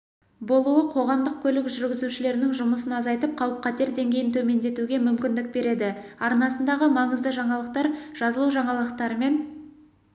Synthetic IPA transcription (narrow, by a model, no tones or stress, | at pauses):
bo̞lˠuəqʰo̞ʁɑmd̪əq̚kʲʰɵlɪkʒʏɾɡʲɪzuʃɪle̞ɾɪnɪŋʒʊməs̬ənɑzɑjt̪əp̚qʰɑwəp̚qʰɑt̪e̞ɾd̪e̞ŋɡʲe̞jɪnt̪ʰɵme̞nd̪e̞t̪uɡʲe̞mʏmkʲɪnd̪ɪk̚be̞ɾe̞d̪ɪɑɾnɑsənd̪ɑʁəmɑɴəzd̪əʒɑɴɑlˠəq̚t̪ɑɾʒ̥ɑzəlˠuʒɑɴɑlˠəq̚t̪ɑɾəme̞n